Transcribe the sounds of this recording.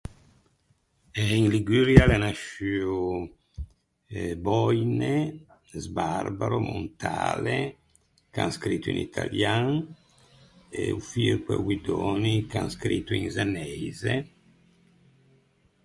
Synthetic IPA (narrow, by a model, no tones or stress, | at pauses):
ɛinliɡyɾjalenaʃyːu | bɔjne | zbarbaɾomo̰nt̪ʰa̰ːle | ka̰ŋskɾit̪ːuinḭt̪ʰaljaŋ | eufirkwḛwid̪oːnikanskɾit̪ːuĩŋzanɛjze